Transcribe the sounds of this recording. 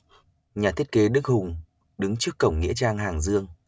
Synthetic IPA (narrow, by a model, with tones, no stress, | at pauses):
ɲaː˨˩i˦˥ət̚ke˨˦ɗɨ˦˥k̚hʊ˨˩ŋ͡m | ɗɨ˨˦ŋt͡ɕɨ˦˥əkːə˧˩wŋ͡mŋḭ˧˥ət͡ɕaː˧ŋɦaː˨˩ŋzɨ˧əŋ